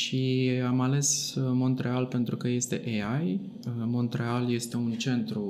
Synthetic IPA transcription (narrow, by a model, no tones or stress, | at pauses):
ʃiamale̞smo̞nt̪ɾe̞alpe̞nt̪ɾukəje̞st̪e̞̰ʔeaj | mo̞nt̪ɾe̞alje̞st̪e̞unt͡ʃe̞nt̪ɾu